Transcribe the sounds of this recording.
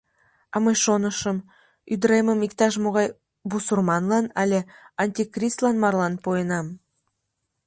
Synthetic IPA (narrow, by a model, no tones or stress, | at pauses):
ɑmɤjʃonəʃəm | yd̪ɾeməmikt̪ɑʃ̬moɣɑj | busulmɑnlɑnɑlʲeɑnʲt̪ʲikrʲist̪lˠɑnmɑrlɑnpojənɑm